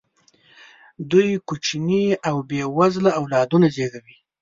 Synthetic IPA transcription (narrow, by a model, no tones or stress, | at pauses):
d̪ujkut͡ʃiniawbewazlaːwlɑd̪unazeɡawi